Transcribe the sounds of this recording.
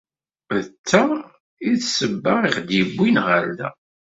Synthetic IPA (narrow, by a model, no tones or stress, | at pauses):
vət͡sːa | iðsəbːaʁiχd̪jəbːinʁəɾðæ̰